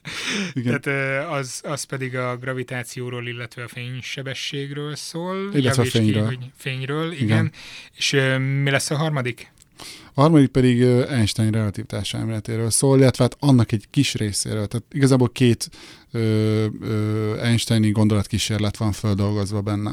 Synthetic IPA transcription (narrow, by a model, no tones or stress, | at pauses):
iɡɛaːt̪øːɒzɒspɛd̪iɡɒɡrɒvit̪aːt̪sijoːɾoːlilːɛt̪ʋɛɒfeːɲʃɛbɛʃːeːɡrøːlsoːlillːɛʋɛtfeːɲrøːlfeːɲrøːliiɡɛneːʃøːmilɛsːɒɦɒrmɒd̪ik | ɒɦɒrmɒd̪ik̚pɛd̪iɡøːɛnʃt̪ɛjnrɛɒt̪iːvt̪aːʃɛ̰lmeːlɛt̪eːɾøːlsoːlilːɛt̪ʋɛɦaːt̪ɒnːɒkɛɟkiʃreːsḛːɾøːlt̪aːt̪iɡɒzaːboːlkeːt̪ | øːøːɛnʃt̪ɛjniɡo̞nd̪o̞lɒt̪̚kiʃeːrlɛt̪ʋɒɱføld̪o̞lɡo̞zʋɒbɛnːɛ̰